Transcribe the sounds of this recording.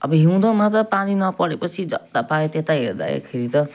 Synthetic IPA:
ʌ̰bʌɦiw̃d̪ʌmat̪ʌpaninʌpʌɾepʌsʰid͡zʌ̰d̪apaet̪et̪aɦeɾd̪a̰jḛkʰeɾit̪ʌ

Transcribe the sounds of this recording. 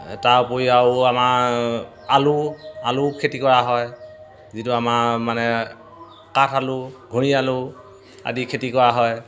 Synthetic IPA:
tawpojiawama | alualʊkʰetikɔɹaɦɔj | zitʊamamanɛ | katʰalʊɡʱuɹialʊ | a̰dikʰetikɔɹaɦɔj

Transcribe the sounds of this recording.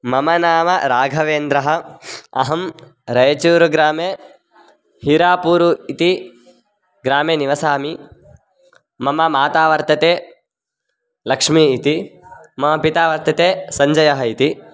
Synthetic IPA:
mɐmɐnaːmɐɾaːɡʱɐʋeːnd̪ɾɐɦɐ̆ɐ̰ɦɐm | ɾɐjɐt͡ʃuːɾuɡɾaːmeː | hiɾaːpuːɾuit̪i | ɡɾaːmeːniʋɐsaːmi | mɐmɐmaːt̪aːʋɐɾt̪ɐt̪eː | lɐkʂmiːt̪imɐmɐpit̪aːʋɐɾt̪ɐt̪eːsɐɲd͡ʒɐjɐɦɐit̪i

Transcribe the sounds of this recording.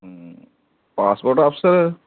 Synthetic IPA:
paːspoːʈɐfsɐɾ

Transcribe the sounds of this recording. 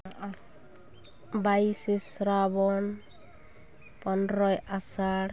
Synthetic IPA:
baisisɾabɔn | pɔnɾɔjasaɽ

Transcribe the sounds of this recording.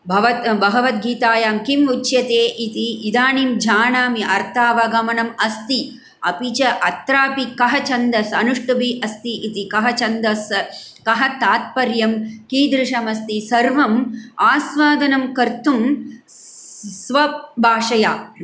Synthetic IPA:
bʱɐʋɐt̪bɐɡɐʋɐt̪ɡiːt̪aːjaːmkimut͡ʃjɐt̪eːʔit̪iːd̪aːniːmd͡ʒʱaːɳaːmiʔɐɾt̪ʰaːʋɐɡɐmɐnɐmɐst̪i | ɐ̰pit͡ʃɐʔɐt̪ɾaːpikɐɦɐt͡ʃɐnd̪ɐsɐnuʂʈubiʔɐst̪iʔit̪ikɐɦɐt͡ʃɐnd̪ɐskɐɦɐt̪aːt̪̚pɐɾjɐmkid̪ɾɪʂɐmɐst̪isɐɾʋɐmaːsʋaːd̪ɐnɐmkɐɾt̪ʰum | sʋɐbʱaːʂɐjaː

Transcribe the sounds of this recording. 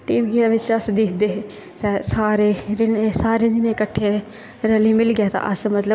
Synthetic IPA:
ʈiːʋɡiːaːʋɪt͡ʃəsd̪ɪkʰd̪eː | t̪ɛ̃ːsaːɾeːɾɪnesaːɾeːd͡ʒɪnẽkəʈʰːeː | ɾɛliːmɪlɡɛːt̪ã̰ːʔəsmət̪lə

